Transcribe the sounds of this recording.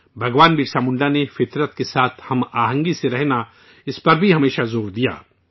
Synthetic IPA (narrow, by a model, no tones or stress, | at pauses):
bʱɐɡʋaːnbiːʈsaːmʊ̃ɳɖanefɪt̪ɾət̪kesaːt̪ʰhɐmaːɦə̃ŋɡiseɾɛɦna | ɪspɐɾbʱiɦɐmeːʃazoːɾd̪ija̰ː